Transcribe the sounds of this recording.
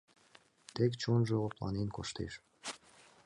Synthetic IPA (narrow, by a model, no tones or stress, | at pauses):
t̪ekt͡ɕonʒɤoplˠɑ̰nenkoʃt̪ḛʃ